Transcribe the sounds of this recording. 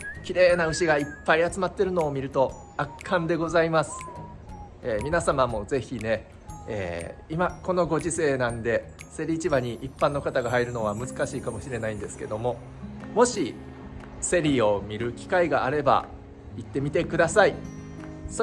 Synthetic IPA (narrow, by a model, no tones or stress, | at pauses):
kʲiɾe̞ːnaɯ̟ɕiɡaipːaiat͡sɨmat̪ːe̞ɾɯ̟no̞ːmʲiɾɯ̟t̪o̞ | akʰːãnd̪e̞ɡo̞zaimasɨ̥ | eːmʲinasamamo̞ze̞çine̞ | ḛːimako̞no̞ɡo̞ʑise̞ːnãnd̪e̞se̞ɾʲiːt͡ɕibaɲ̟iʔːpːãnːo̞kat̪aɡaɦaiɾɯ̟no̞β̞amɯ̟zɨkaɕiːkamo̞ɕiɾe̞naĩnd̪e̞sɨ̥ke̞d̪o̞mo̞ | mo̞ɕi | se̞ɾʲio̞mʲiɾɯ̟kʲi̥kaiɡaaɾe̞ba̰ | it̪ːe̞mʲit̪e̞kɯ̟d̪asai | s